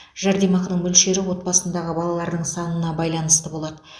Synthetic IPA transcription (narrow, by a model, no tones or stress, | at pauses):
ʒ̥æɾd̪emɑqnəɴmɵlʃe̞ɾɪwo̞t̪̚bɑsənd̪ɑʁəbɑlˠɑlˠɑɾd̪əɴsɑnənɑbɑjlˠɑnəst̪əbo̞lˠɑd̪ə